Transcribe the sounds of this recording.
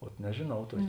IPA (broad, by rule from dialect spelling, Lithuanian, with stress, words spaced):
oːt nʲɛʒʲeːˈnɐʊ ˈtuɔkʲeː